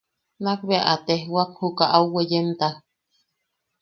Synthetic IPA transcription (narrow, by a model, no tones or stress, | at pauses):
nak̚beaʔat̪ehwak̚hukaʔawwejent̪ah